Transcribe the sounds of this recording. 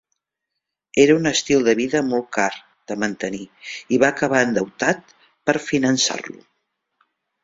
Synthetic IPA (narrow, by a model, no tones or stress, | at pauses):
eɾəunəst̪ilˠd̪əβiðəmɔl̚ˠkar | d̪̥əmənt̪əniiβaəkəβ̞aənd̪əwt̪at̪̚ | pəɾfinənsa̰rlṵ